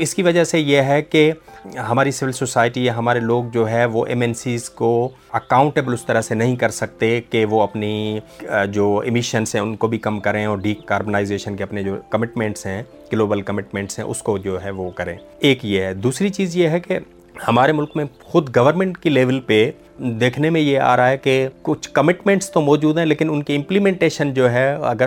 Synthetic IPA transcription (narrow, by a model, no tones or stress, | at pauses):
ɪskiʋɐd͡ʒasejeɦɛkeɦɐmaːɾisɪʋɪlsoːsaːɪʈijaɦɐmaːɾeloːɡ̚d͡ʒoːɦɛʋoʔɛmɛːnsiːzko | ɐkaːʊ̃ɳʈeːbəlʊst̪ɐɾəsenɐɦĩkɐɾsɐk̚t̪ekeʋoɐpni | d͡ʒoːɪ̰mɪʃənsɦɛ̃ʊnkobʱikɐmkɐɾẽɔːɾɖiːkaːɾbənaːɪzeːʃənkeɐpned͡ʒoːkɐmɪʈmɛ̃ɳʈsɦɛ̃ | ɡ̥loːbəlkɐmɪʈmɛ̃ːɳʈsɦɛ̰̃ʔʊ̰skod͡ʒoːɦɛʋokɐɾḛ̃ː | eːkjeɦɛd̪uːsɾit͡ʃiːzjeɦɛke | hɐmaːɾemʊlkmẽ | xʊd̪ɡɐʋəɾmɛ̃ɳʈkileːʋəlpe | d̪eːkʰnemẽjea̰ːɾaaɦɛkekʊt͡ʃʰkɐmɪʈmɛ̃ɳʈst̪omɔːd͡ʒuːd̪ɦɛ̃leːkɪnʊnkeɪ̃mplimẽːɳʈeːʃənd͡ʒoːɦɛɐ̰ɡəɾ